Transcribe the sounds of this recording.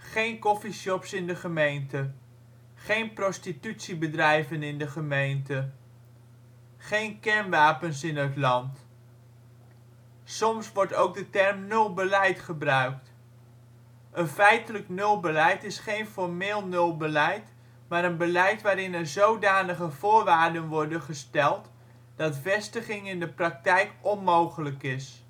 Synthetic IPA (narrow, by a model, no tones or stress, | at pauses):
χejnkɔfiʃɔpsɪndəχəmejntə | χejnprɔstitytsibədrɛjvənɪndəχəmejntə | χejnkɛɹnʋaːpənsɪnɦətlɑnt | sɔmsʋɔɹtowɡ̚dətɛɹmnɵlˠbəlɛjtχəbrœɥk̚t | ənfɛjtələknɵlˠbəlɛjtɪsχejnfɔɹmɪːlˠnɵlˠbəlɛjt | maːɾənbəlɛjtʋaːɾɪnɛɹzowdaːnəχəv̥ʊːɹʋaːɹdənʋɔɹdənχəstɛlˠt | d̥ɑtvɛstəχɪŋɪndəprɑk̚tɛjkɔnmowχələkɪs